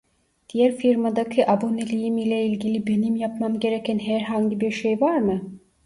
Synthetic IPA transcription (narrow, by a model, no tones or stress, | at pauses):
d̪̥ijæɾfiɾmad̪acʰiʔabonelʲijimilʲɛilʲɟilʲibe̞nimjapmamɟe̞ɾecʰænɦæɾɦaɲɟibiɾʃejvaɾmɯ